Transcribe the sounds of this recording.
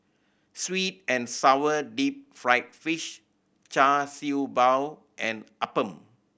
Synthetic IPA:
swit̚ɛ̃nsawədip̚fɹaɪt̚fiʃ | t͡ʃasibaw | ʔɛ̃nʔapə̃m

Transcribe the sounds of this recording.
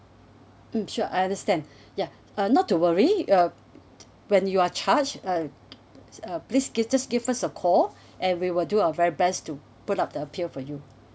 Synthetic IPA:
m̩ʃuʔa̰jãndəstɛ̃nd | ja | ʌnɔtːuwəɹiʌ | wɛ̃njuat͡ʃʰat͡ʃʌ | ʌplisɡid͡ʒasɡivasəkʰɔl | ʔɛ̃nwiwɪlduaəvɛɹibɛstu | putap̚dəəpʰilfɔju

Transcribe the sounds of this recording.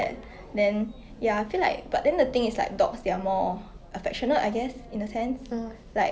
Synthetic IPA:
ɛ̰t̚ | dɛ̃n | jaaɪfila̰ɪk̚b̥at̚dɛ̃ndət̪ɪ̃ŋisla̰ɪk̚dɔksdeamɔʔəfɛk̚ʃɔnəla̰ɪɡɛsĩndəsɛ̃ns | laɪk

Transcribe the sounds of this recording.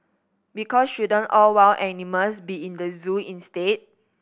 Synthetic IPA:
bikɔsʃudə̃nɔlwawʔɛniməlsbiĩndəzũĩnstet̚

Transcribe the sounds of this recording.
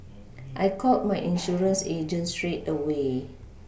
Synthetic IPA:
ʔajkʰɔt̚majʔĩnʃuɹə̃nsed͡ʒə̃ntstɹetəwe

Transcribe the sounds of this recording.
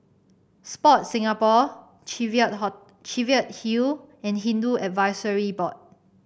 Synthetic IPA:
spɔt̚sĩŋapɔ | vət̚ | t͡ʃiviət̚hil | ɛ̃nɦĩnduɛtvajsəɹibɔt̚

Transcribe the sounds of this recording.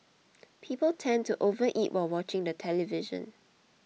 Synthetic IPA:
pʰiːpəltʰɛ̃ntuʔovəʔitwawɔt͡ʃɪ̃ŋdətʰɛlivɪʒə̰̃n

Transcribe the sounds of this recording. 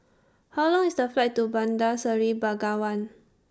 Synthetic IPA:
halɔ̃ŋisdəflajttːubãndasəɹibaɡawãn

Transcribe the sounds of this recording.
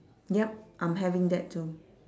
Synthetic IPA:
jɛp̚ʔãjmɦɛvɪ̃ŋd̪ɛt̚tːu

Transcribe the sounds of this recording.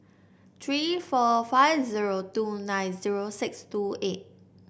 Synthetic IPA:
t̪ʰɹifɔfaɪvziɹotunãjnziɹosɪkstuet̚

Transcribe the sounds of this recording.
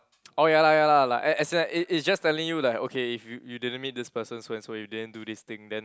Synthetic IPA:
ojalajalalaʔɛ̃ɛsinaʔiitsd͡ʒastɛlĩŋjulaɪko̰kʰeifjujudidə̃nmit̚dispəsə̃nsoɛ̃nsojudidə̃ndudist̪ɪ̃ŋdɛ̃n

